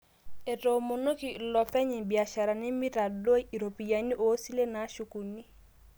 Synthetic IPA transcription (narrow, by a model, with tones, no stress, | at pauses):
e˨to˨mo˨no˦ki˨lɔ˨pɛ˦ɲɪ˨bi˨a˨ʃa˨ɾa˨nɪ˦mi˦ɾa˨do˦i˨ɾo˨pi˨ja˨ni˦ʔoː˨˦si˦le˦na˨˦ʃu˨ku˨ni˦